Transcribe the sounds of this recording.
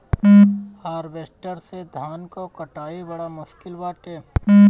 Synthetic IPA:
haːɾʋeːsʈəɾsed̪ʱaːnkokɐʈaːibɐɽamʊskɪlʋaːʈeː

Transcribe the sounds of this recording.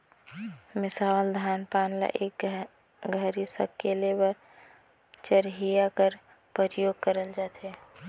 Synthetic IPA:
mɪsawəld̪ʱaːnpaːnla̰ʔek | ɡʱəɾisə̰kːelebəɾ | t͡ʃəɾɦijakəɾ | pəɾjoːɡ̚kəɾəld͡ʒaːt̪e

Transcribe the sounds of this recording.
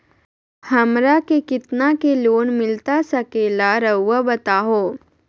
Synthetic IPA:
həmɾakekit̪nakeloːnmɪlt̪asəkelaɾəwːəbət̪aɦo

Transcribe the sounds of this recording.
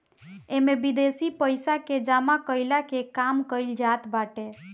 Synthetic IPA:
emebid̪esipəjsaked͡ʒamakəɪlakekamkəɪld͡ʒat̪baʈe

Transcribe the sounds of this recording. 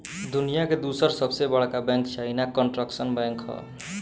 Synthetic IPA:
d̪unijaked̪usʌɾsʌbsebʌɽkabãŋkt͡ʃʰajnakʌɳʈrʌksʌnbaŋkɦʌ̰

